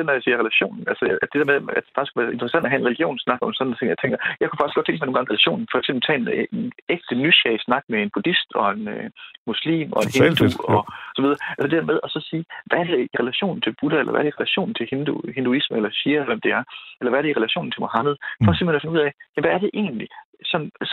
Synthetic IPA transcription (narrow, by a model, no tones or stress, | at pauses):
d̥enɒjäsiːɐʁɛlæɕo̝̰ːnn̩ælsəd̥e̝d̥eɐmeðˠæd̥e̥fɑ̈ɡ̥iskʰuʋæːɐe̝nt͡sʰʁɐəsænd̥ɒɦæe̝nʁeliɡ̥jo̝̰ːnsnɑ̈ɡ̥ɒ̽mnsɒ̽n̥n̩t͡sʰe̝ŋjɑɪt͡sʰeŋɡ̥ɐjɑɪkʰu̥fɑɡ̥isɡ̥ɒ̥̽t͡sʰeŋɡ̥mɑ̈noːŋɡɑ̈ŋʁelæɕo̝̰ːnn̩fɒeɡ̥sembl̩t͡sʰɛ̰ːen̩eneɡ̥̚d̥ənyɕɛsnɑ̈ɡ̥̚mee̝nb̥ud̥isd̥ɒ̽e̝nømuslḭːmɒ̽e̝nhend̥uɒ̽sɒ̽ʋiðˠɐælsəd̥e̥d̥æɐmeðˠɒ̽sɒ̽siːʋæɐd̥eiʁelæɕo̝̰ːn̩t͡sʰe̝lb̥uɾ̥ɐelʔɐʋæ̰ɐɾeiʁelæɕo̝̰ːnn̩t͡sʰe̝hend̥uhe̝nd̥uisməelɐɕiɐlʋemd̥e̝æɐelɐʋæɐɾ̥eiʁelæɕo̰ːn̩t͡sʰe̝mohɑ̈məð̞̩ˠfɒ̽se̝mhenɒfe̝nuð̰ˠɛ̰ɪjæʋæːɐd̥e̝ʔe̝̰ːn̩li | sɒ̽nn̩